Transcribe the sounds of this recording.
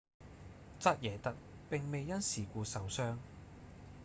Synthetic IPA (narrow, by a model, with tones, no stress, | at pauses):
t͡sɐ˥t̚jɛː˨˩t̪ɐ˨˥k̚ | pɪ˨ŋme˨jːɐ˥nsiː˨˩kʷuː˧sɐ˨˥wsœː˥ŋ